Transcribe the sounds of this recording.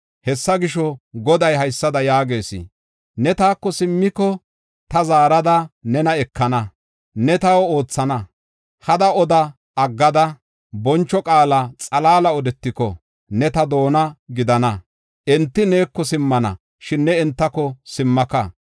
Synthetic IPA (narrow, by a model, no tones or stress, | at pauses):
hɛsːɐɡɪʃɔɡɔd̪ɐjɦɐjsːɐd̪ɐjaːɡe̞ːsɪ̰ | nɛt̪aːkːɔsɪmːɪkːɔ | t̪ɐzaːɾɐd̪ɐnɛnɐɛkːɐnɐ | nɛt̪ɐwo̞ːt͡sːɐnɐ | hɐd̪ɐɔd̪ɐ | ʔɐɡːɐd̪ɐ | bɔnt͡ʃːɔkʼaːlɐt͡sʼɐlaːlɐɔd̪ɛt̪ːɪkɔ̰ | nɛt̪ɐd̪o̞ːnɐɡɪd̪ɐnɐ | ʔɛnt̪ːɪneːkːɔsɪmːɐnɐ̰ | ʃɪnːɛɛnt̪ːɐkɔsɪmːɐkɐ